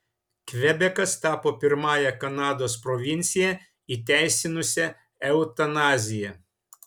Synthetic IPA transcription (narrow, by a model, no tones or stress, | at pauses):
kʋʲɛbʲɛkɐst̪ɑːpoːpʲɪɾmɑːjɛkɐnɑːd̪oːspɾɔʋʲɪnʲt̪sʲɪjɛ | it̪ʲæˑɪsʲɪnʊsʲɛ | ɛʊt̪ɐnɑːzʲɪjɛ